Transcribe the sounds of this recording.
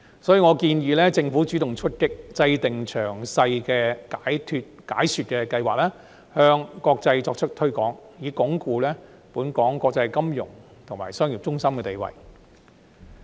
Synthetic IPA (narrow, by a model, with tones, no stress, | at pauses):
sɔː˨˥jiː˨˧ŋɔː˨˧kiː˧njiː˨˧lɛː˥t͡sɪ˧ŋfu˨˥t͡ʃyː˨˥t̪ʊ˨˩ŋt͡ʃʰɵ˥t̚kɪ˥k̚t͡sɐ˧jt̪ɪ˨ŋt͡ʃʰœː˨˩ŋsɐ˧jkɛː˧kaː˨˥jt̪ʰy˧t̚ka̰ː˨˥jsyː˨˧t̚kɛː˧kɐ˧jwaː˨k̚lɛː˥ | hœː˧ŋkɔː˧k̚t͡sɐ˧jt͡sɔː˧k̚t͡ʃʰɵ˥t̚t̪ʰɵ˥ɥkɔː˨˥ŋjiː˨˧kɔː˨˥ŋkuː˧lɛː˥ | puː˨˥nkɔː˨˥ŋkɔː˧k̚t͡sɐ˧jkɐ˥mjʊ̰˨˩ŋt̪ʰʊ˨˩ŋmaː˨˩jsœː˥ŋjiː˨p̚t͡ʃʊ˥ŋsɐ˥mkɛː˧t̪e˨˩jwɐ̰˨˩j